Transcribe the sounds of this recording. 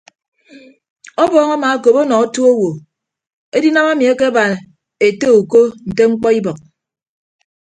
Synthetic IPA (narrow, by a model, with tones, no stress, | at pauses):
ɔ˦bɔː˦ŋa˦ma˨a˦ko˨po˦nɔ˨o˦tu˦o˦wo˨ | e˦di˦na˦ma˦mi˨e˦ke˦ba˨n˨ | e˨te˦u˨ko˦n̩˨te˦ŋ͡m̩˦k͡pɔ˦i˦bɔ˨k̚